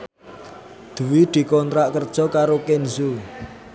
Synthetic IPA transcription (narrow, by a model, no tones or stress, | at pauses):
d̪̥ṳwid̪̥i̤kɔnt̪ɾaʔkərd̥ʒ̥ɔ̤kaɾokenzu